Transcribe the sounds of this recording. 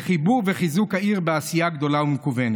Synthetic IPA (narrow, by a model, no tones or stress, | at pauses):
χibuʁveχizukhaiʁbeasijaɡd̪o̞laumekuvene